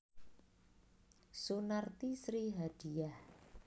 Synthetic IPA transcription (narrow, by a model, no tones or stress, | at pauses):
sunart̪isɾiɦad̥i̤jah